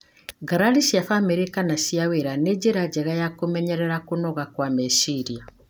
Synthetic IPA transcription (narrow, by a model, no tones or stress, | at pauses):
ɡaɾaɾiʃiafameɾekanaʃiaweɾaned͡ʒeɾad͡ʑɛɣajakomɛɲɛɾɛɾakonɔɣakwamɛsiɾia